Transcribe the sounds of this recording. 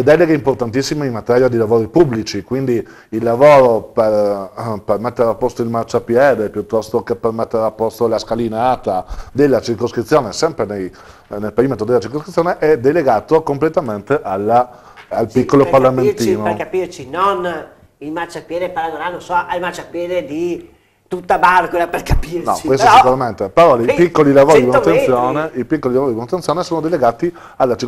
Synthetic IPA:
led̪ɛleɡeimport̪ant̪isːimeimːat̪ɛɾjad̪ilavoːɾipubːlit͡ʃikwind̪i | ilːavoːɾoperpermet̪ːeɾeapːost̪oilmart͡ʃapjɛːd̪epjut̪ːɔst̪okepermet̪ːeɾeapːost̪olaskalinaat̪ad̪elːat͡ʃirkoskɾit̪sːjoːnesɛmpɾenej | nelpeiment̪od̪elːat͡ʃirkoskɾit̪sːjoːneʔɛd̪eleɡaːt̪okomplet̪ament̪eʔalːaː | lpikːoloparlament̪iːnokapirt͡ʃinon | ilmart͡ʃapjeːd̪epaɾaɡoɾanõsɔalmat͡ʃapjeːd̪ed̪i | t̪ut̪ːabarkolaperkapiɾnɔt͡ʃiwest̪ssikuɾament̪epeɾɔipikːolilavoːɾibnatt̪ːenssːjoːneipikːolilavoːɾidinut̪ːensjoːnesoːnod̪eleɡaːt̪i | alːat͡ʃir

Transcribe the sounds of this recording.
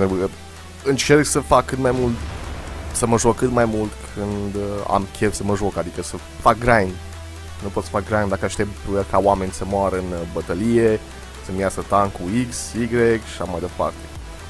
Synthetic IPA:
uə | ɨnt͡ʃe̞rksəfakːɨt̪majmult̪ | səməʒokːɨt̪majmult̪kʰɨnd̪a̰mkʲʰe̞vsəməʒo̞kad̪ikəsə | fak̚ɡɾajn | nupot̪sə̥fak̚ɡɾajnd̪akəaʃt̪e̞pt̪kawame̞nʲsəmoaɾəɨnbət̪əlije̞ | səmiasət̪aŋkuiksiɡɾekʃi̥ʃamajd̪e̞pa̰rt̪e̥

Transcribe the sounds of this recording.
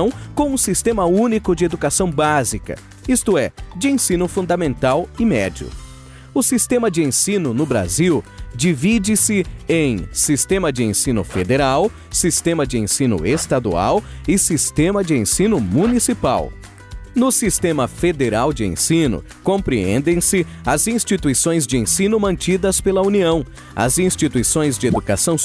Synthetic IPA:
ɐ̃w̃kõw̃ũsist̪ẽmɐũnikʊd͡ʒɪed̪ukasɐ̃w̃bazikɐ̰ | ist̪ʊɛd͡ʒɪẽsĩnʊfũnd̪ɐmẽnt̪awɪmɛd͡ʒiʊ̰ | ʊsist̪ẽmɐd͡ʒɪẽsĩnʊnʊbɾa̰ziwd͡ʒivid͡ʒɪsɪẽj̃sist̪ẽmɐd͡ʒɪẽsĩnʊ̰fed̪eɾaw | sist̪ẽmɐd͡ʒɪẽsĩnʊ̰est̪ad̪ua̰wɪsist̪ẽmɐd͡ʒɪẽsĩnʊmunisipa̰w | nʊsist̪ẽmɐfed̪eɾawd͡ʒɪḛ̃sĩnʊ̰ | kõpɾiḛ̃nd̪ẽj̃sɪɐzĩst͡ʃit̪uisõj̃zd͡ʒɪẽsĩnʊmɐ̃nt͡ʃid̪ɐspelɐuniɐ̃w̃ | ɐ̰zĩst͡ʃit̪uisõj̃zd͡ʒɪed̪ukasɐ̃w̃

